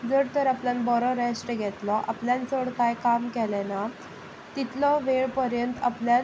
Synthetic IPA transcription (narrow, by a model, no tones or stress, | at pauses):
d͡zəɽt̪əɾapljãnbɔɾɔɾɛsʈəɡʱɛt̪lɔʔa̰pljãnt͡soɽkajkamkɛlɛna | t̪it̪lɔʋeɭpəɾjənt̪aplja